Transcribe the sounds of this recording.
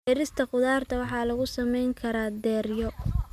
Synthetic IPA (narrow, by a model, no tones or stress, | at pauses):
ɛɾɪst̪ʰɐqʊðaːrt̪ʰɐwɑħɑːlɐɣʊsɐmɛjŋkʰɐɾaːd̪ɛːrjɔ